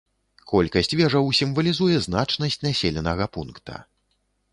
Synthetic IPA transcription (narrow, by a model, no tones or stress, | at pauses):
kʰɔlʲkɐsʲt͡sʲvʲɛʐɐwsʲimvɐlʲizujɛznat͡ʂnɐsʲt͡sʲnasʲelʲɛnɐɣɐpunkt̪ʰɐ̰